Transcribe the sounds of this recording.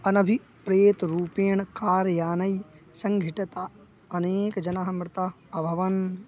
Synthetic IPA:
ɐnɐbʱi | pɾeːt̪ɾuːpeːɳkaːɾjaːnɐjsɐŋɡʱiʈɐt̪a | ɐneːkd͡ʒɐnɐɦɐmɾɪt̪a | ɐbʱɐʋɐn

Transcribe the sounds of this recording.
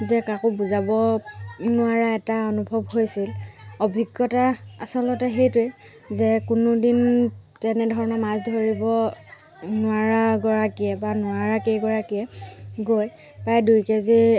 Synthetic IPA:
zɛkakʊbuzabɔ | nʊaɹaɛtaonubʱɔbhojsilobʱiɡːɔtaasɔlɔtɛɦejtʊj | zɛkʊnʊdintɛnɛdʱɔɹɔnamazdʱoɹibɔ | nʊaɹaɡɔɹakijɛbanʊaɹakejɡɔɹakijɛɡoj | pɹajdujkezi

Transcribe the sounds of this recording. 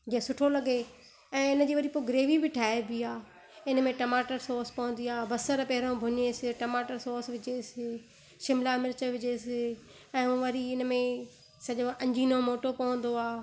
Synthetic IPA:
d͡ʑĩːẽsʊʈʰolɐɡe | ɛ̃ːɪnəd͡ʑiːʋɐɾipoːɡɪɾeːʋibɪʈʰaːebiaː | ɪnəmẽʈɐmaːʈəɾsoːɾspɐ̃ɦʊ̃n̆d̪iaːbɐsəɾpɛɦɪɾõbʱʊɲesɪʈɐmaːʈəɾsoːɾsʋɪd͡ʑesɪ | ʃɪmlamɪɾɪt͡ɕəʋɪd͡ʑesɪ | ɛ̃ːũːʋɐɾiɪnmẽ | sɐʄoʔɐ̃ɲd͡ʑʱiːnomoːʈopɐʋə̃nd̪oaː

